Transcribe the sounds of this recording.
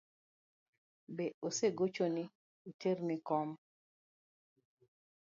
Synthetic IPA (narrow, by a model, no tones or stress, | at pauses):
beoseɡot͡ʃonɪ | iternɪkɔm